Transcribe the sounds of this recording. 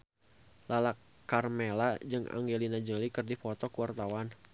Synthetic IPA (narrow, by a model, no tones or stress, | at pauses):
lalakːarmelad͡ʒɨŋa̰ŋɡelinad͡ʒəlikɨrdifɔt̪ɔkuwart̪awan